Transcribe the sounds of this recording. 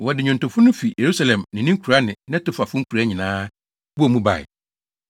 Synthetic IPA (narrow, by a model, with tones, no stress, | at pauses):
wɔ˨dɪ˨ɲʊ̃˨ntʊ̃˨fʊ˦nʊ̃˦fi˨je˨ɾu˦sa˦lɛ̃˨mnɪ̃˨nɪ̃˦ŋ˦kʰu˨ɾa˦nɪ̃˨nɪ̃˦tʊ˨fa˨fʊ˦ŋ̩˦kʰu˨ɾa˦ɲɪ̃˨nãː˦ | wu˦ɔ˨mũ˦ba̰˨ɪ̰˨